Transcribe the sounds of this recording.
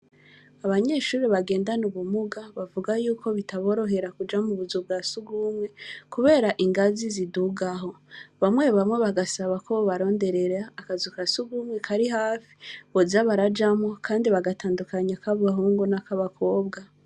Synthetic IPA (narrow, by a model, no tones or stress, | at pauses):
aβaɲe̞ʃuːɾiβaɡe̞ːndanuβumuɡaβavuɡajuːkʰo̞βitaβo̞ːɾo̞ɦe̞ɾakud͡ʒamuβuzubɡasuɡumŋe̞kuβe̞ːɾaʔiŋɡaziziduɡaɦo̞βamwe̞βamwe̞βaɡasaβakoβoβaɾo̞ːnde̞ɾe̞ɾaːkazukasuɡumwe̞kʰaɾiɦaːfi̥βozaβaɾad͡ʒamo̞kʰaːndiβaɡataːndukaɲakaβaɦuːŋɡunakaβakʰo̞ːbɡa